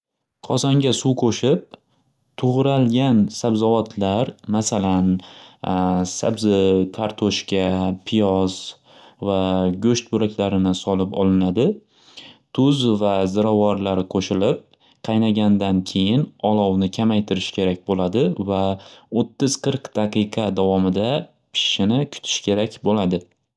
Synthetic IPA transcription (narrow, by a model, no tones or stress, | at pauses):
qʰɒsaŋɡʲasuwqʰoʃɪp̚ | t̪ʰʊʁɾalɡʲansabzɒvat̪ʰlaɾmasalan | sa̰bzɪt̪ʰaɾt̪ʰoʃkʲapʰɪjɒz̥ | vaɡʲɵʃt̪̚bʊɾakʲlaɾɪnɪsɒlɪpɒ̰lˠɪnad̪ɪ | t̪ʰʊzvazɪɾɒvɒɾlaɾɪqʰoʃɪlɪp̚ | qʰɑjnaɡʲand̪ankʲʰe̞jɪnɒlˠɒwnɪkʲʰamajt̪ʰɪɾɪʃkʲʰe̞ɾakʲbolad̪ɪvaot̪ʰːɪz̥qʰɨɾqd̪̥aqʰɨqʰɑd̪avɒmɪd̪a | pʰɪ̥ʃɪnɪkʰʊ̥t̪ʰɪ̥ʃkʲʰe̞ɾakʲbolad̪ɪ